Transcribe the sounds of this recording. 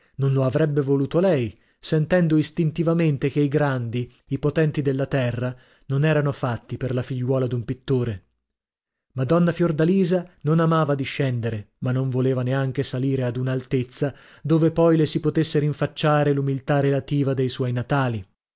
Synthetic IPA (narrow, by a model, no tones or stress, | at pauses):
nonloavɾɛbːevoluːt̪olɛj | sent̪ɛnd̪oist̪int̪ivament̪ekeiɡɾand̪iː | pot̪ɛnt̪id̪elːat̪ɛrːa | nonɛːɾanofat̪ːiperlafiʎːwɔːlad̪umpit̪ːoːɾe | mad̪ɔnːafjord̪aliːzanonamaːvad̪iʃːɛnd̪eɾemanːoɱvoleːvaneaŋk̟esaliːɾead̪unaːlt̪et̪sːa | d̪oːvepɔjlesipot̪esːeɾiɱfat͡ʃːaːɾelumilt̪arelat̪iːvad̪ejswɔjnat̪aːli